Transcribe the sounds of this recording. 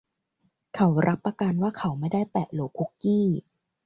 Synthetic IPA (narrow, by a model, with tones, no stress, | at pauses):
kʰa˦wɾʔa˦˥pːa˧ka˧nwaː˥˩kʰa˦wma˥˩jda˥˩jp̪ɛː˨˩ʔloː˨˦˩kʰu˦˥kːiː˥˩